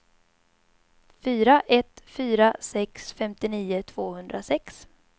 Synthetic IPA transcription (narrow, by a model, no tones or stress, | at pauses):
fyːɾaʔɛt̪fyːɾasɛksfɛmt̪ɪniːʊt̪ʰv̥oːhɵnd̪ɾasɛks